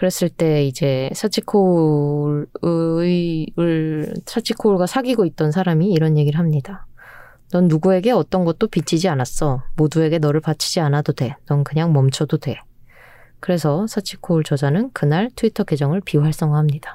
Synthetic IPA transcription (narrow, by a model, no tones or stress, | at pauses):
kɯɾe̞s͈ɯɭt͈e̞id͡ʑe̞sʰat͡ɕʰikʰo | ɯɭsʰat͡ɕʰikʰoɭɡasʰaɡiɡoit̚t͈ʌnsʰaɾamiːɾʌnjeɡiɾɯɭɦamɲida | nʌnːuɡue̞ɡe̞ʌt͈ʌnɡʌt̚t͈opit͡ɕʰid͡ʑianas͈ʌmodue̞ɡe̞nʌɾɯɭpat͡ɕʰid͡ʑianadodwe̞nʌnkɯɲaŋmʌmt͡ɕʰʌdodwe̞ | kɯɾe̞sʰʌsʰat͡ɕʰikʰouɭt͡ɕʌd͡ʑanɯnkɯnaɭtʰuitʰʌɡe̞d͡ʑʌŋɯɭpiuɦaɭs͈ʌŋɡaɦamɲid̥a